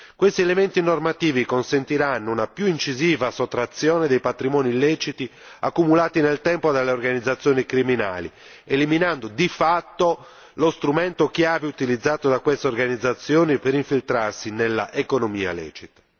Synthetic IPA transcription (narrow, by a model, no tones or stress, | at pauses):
kwest̪iɛlement̪inormat̪iːvikonsent̪iɾanːounapjuint͡ʃiziːvasot̪ːɾat̪sːjɔːned̪ejpat̪ɾimɔːnilɛt͡ʃit̪i | akːumulaːt̪inelt̪ɛmpod̪alːeorɡanid̪zːat̪sːjɔːnikɾimina̰ːlḭ | eliminand̪od̪ifat̪ːo | lost̪ɾumɛnt̪ok̟jaːveut̪ilid̪zːaːt̪od̪akwest̪eorɡanid̪zːat̪sːjɔːnipɛɾiɱfilt̪ɾarsinelːa̰ʔekonomiːa̰lɛ̰ːt͡ʃit̪ḁ